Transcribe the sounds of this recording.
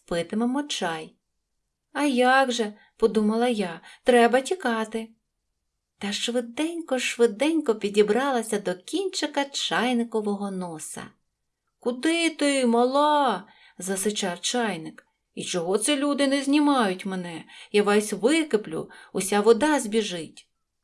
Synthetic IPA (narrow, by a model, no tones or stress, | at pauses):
spɪt̪ɪmɛmɔt͡ʃɑj | ɐjɑɡʒɛ | pɔd̪umɐlˠɐjɑt̪ɾɛbɐtʲikɑt̪ɪ | t̪ɐʃʋɪd̪ɛnʲkɔʃʋɪd̪ɛnʲkɔpʲidʲibɾɑlˠɐsʲɐd̪ɔkʲinʲt͡ʃɐkɐt͡ʃɑjnɪkɔʋɔɦɔnɔsɐ̰ | kʊd̪ɪt̪ɪmɐlˠɑ | zɐsɪt͡ʃɑwt͡ʃɑjnɪk | it͡ʃɔɦɔt̪sɛlʲud̪ɪnɛzʲnʲimɑjʊtʲmenɛjaʋɛsʲʋɪkɪplʲʊ̰ʊsʲaʋɔd̪ɑzʲbʲiʒɪtʲ